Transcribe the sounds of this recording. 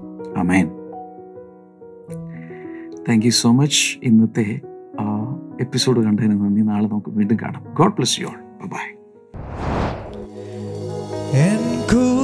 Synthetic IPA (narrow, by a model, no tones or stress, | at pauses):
aːmen | t̪ʰæːŋkjuso̞ːmɐt͡ɕːinːɐt̪ːe̞ | epːisoːɖɨkɐɳɖɐɣɐnenːɨʋɐnːinaːɭenɐmɐkːɨʋiːɳɖɨka̰ːɳa̰mɡoːɖ̚plɐsjo̰ːɭb̥ajbaj | enku